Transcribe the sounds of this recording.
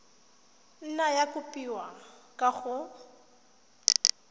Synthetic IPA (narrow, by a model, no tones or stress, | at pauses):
n̩najakʊpʼiwakʼaɣʊ